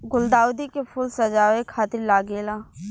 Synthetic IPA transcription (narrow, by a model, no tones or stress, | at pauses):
ɡʊld̪aːwd̪ikepʰʊlsəd͡ʒaːʋekʰaːt̪ɪɾlaːɡeːlaː